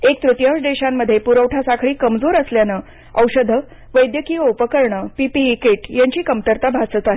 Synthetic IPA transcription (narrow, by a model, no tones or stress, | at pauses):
ek̚t̪ɾut̪jãwʂd̪eɕamːəd̪ʱːjepuɾəwʈʰasakʰɭiːkəmd͡zoɾəsljanə | əwɕəd̪ʱə | ʋəjd̪jəkiːopəkəɾɳəpipiːkeʈjaɲt͡ɕiːkəmt̪əɾt̪abʱat͡sət̪aɦe